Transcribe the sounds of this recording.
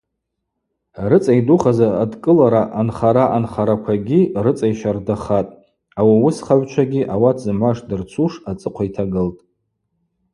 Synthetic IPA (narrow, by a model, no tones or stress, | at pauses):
rɨt͡sʼajduχazaːdkʼɨlaɾaʔanχaɾaʔanχaɾakʷʰaɡʲirɨt͡sʼajʃardaχatʼ | awiwʊsχaʕʷt͡ʃʷʰaɡʲiʔawatʰzɨmʷaʂdɨrt͡sʰuʂat͡sʼɨqʷʰaitʰaɡɨltʼ